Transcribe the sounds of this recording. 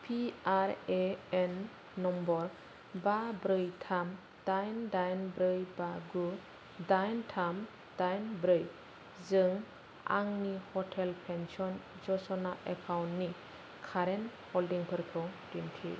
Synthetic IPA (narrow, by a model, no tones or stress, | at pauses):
pʰiaɾeɛnː | ɔmbɔɾ | babɾɯjtʰam | d̥ajndajnbɾɯjbaɡu | dajntʰam | d̥ajnbɾɯj | zɯŋ | a̰ŋnihɔʈʰɛlpʰɛnsɔnd͡ʒɔsɔnaʔekʰawnːi | kʰaɾɛn | hɔldiŋpʰɯɾkʰɔdintʰḭ